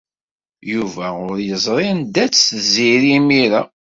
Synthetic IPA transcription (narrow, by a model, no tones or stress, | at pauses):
juvæʁʊɾjəzˤɾˤend̪æt͡sːziɾimiɾæ